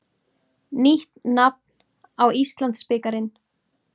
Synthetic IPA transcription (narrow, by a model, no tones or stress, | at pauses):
niht̪ːap̚n | awist̪lant̪spɪːkaɾɪn